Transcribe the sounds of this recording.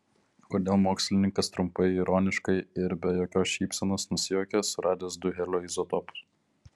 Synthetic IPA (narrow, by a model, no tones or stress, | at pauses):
koːd̪ʲeːlˠmoːksʲlʲɪnʲɪŋkɐst̪ɾʊmpɐɪiɾoːnʲɪʃkɐɪɪɾbʲɛjoːkʲoːsʃʲiːpʲsʲɛnoːsnʊsʲɪjoːkʲɛsʊɾɑːd̪ʲeːsd̪ʊɣʲɛlʲoːɪzot̪opʊ̥s